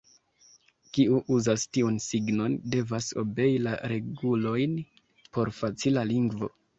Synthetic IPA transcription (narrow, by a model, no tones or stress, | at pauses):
kiuʔuzastiunsiɡno̞nde̞vaso̞̰be̞jilaɾe̞ɡulo̞jn | po̞ɾfat͡silaliŋɡvo̞̰